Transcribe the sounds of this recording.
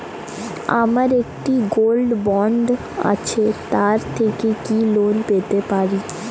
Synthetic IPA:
a̰maɾekʈiɡolɖbɔɳɖ | a̰t͡ɕʰet̪aɾt̪ʰekekilonpet̪epaɾi

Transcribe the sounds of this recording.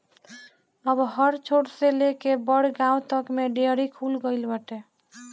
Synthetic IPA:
əbɦəɾt͡ʃʰoɽselekebəɽɡãw̃t̪əkmeɖeɾikʰulɡəjlbəʈe

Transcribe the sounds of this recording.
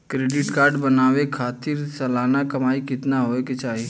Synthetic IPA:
kɾeːɖɪʈkaːɾɖbɐnaːʋekʰaːt̪ɪɾsɐlaːnakɐmaːikɪt̪naɦoːeket͡ʃaːɦi

